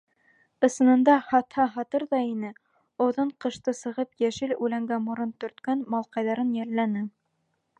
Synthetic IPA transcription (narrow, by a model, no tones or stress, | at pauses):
ɤ̆sɤ̆nɤ̆nd̪ɑhɑt̪hɑɦɑt̪ɤɾðɑinɘ | ŏðɤɴqɤ̆ʃt̪ɤsɤ̆ʁɤpjæʃɘlʉlæŋɡæmoɾɤnt̪ɵ̆ɾt̪kænmɑlˠqɑjðɑɾɤnjælːænɘ